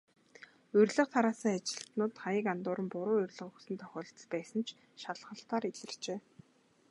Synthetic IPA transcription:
ɵrʲɮə̆χt̪ʰaɾaːsĭːŋat͡ɕɪ̥̆ɬt̪nʊːt̪χajə̆kant̪ʊːɾə̆mpʊɾʊːɵrʲɮə̆χɵsɘ̆nt̪ʰœxʲɔːɬt̪̆pæːsə̆nt͡ɕʰ | ʃaɮʁə̆ɬt̪aːɾiɮɘ̆r̥t͡ɕeː

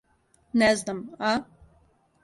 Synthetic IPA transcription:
nɛznama

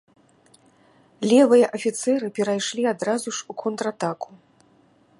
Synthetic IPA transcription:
lʲɛvɨjɐʔɐfʲit̪sɛɾɨpʲɛɾajʂlʲiad̪ɾazuʂukʰɔnt̪ɾat̪aku̥

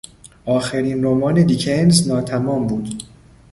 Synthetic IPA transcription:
ʔɒːxeɾiːnɾomɒːned̪icʰenznɒːt̪ʰæmɒːmbuːd̪

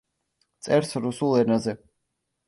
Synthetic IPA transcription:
t̪sʼɛɾsɾusulˠɛnazɛ

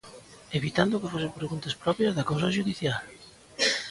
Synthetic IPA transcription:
eβit̪and̪ʊkɪfosɪpɾeɣunt̪aspɾɔpjɐzðɐkawsaʃuðiθjal

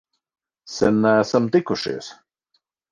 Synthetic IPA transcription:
sɛ̰nːææsamt̪ikuʃḭɛs

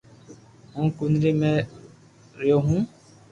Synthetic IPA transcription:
ɦũːkʊnɾiːmẽː | ɾɪjoːɦũː

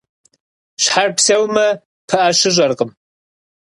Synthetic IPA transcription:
ʃħarpsɐwmɐ | pʰɐʔaʃɨʒʷɐrqʼəm

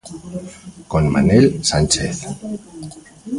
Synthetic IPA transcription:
konma̰nelsant͡ʃeθ

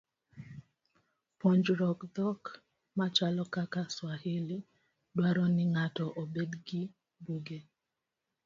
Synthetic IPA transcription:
pɔɲd͡ʒɾɔkd̪ɔk | mat͡ʃalɔkakaswahɪli | dwaɾɔnɪŋatɔʔobedɡi | buɡe

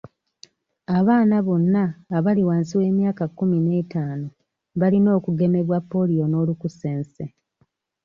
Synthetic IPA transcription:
aβaːnaβo̞nːaːβaliwaːnsiwe̞ːmjaːkakːumine̞ːtaːno | βalino̞ːkuɡe̞me̞βwapːo̞lijo̞no̞ːlukuseːnse

